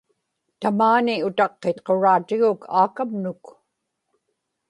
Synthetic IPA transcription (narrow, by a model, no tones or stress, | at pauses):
t̪amaːniʊt̪ɑqːet̪qo̞ɻaːt̪ɪɣʊkʰaːkamnʊk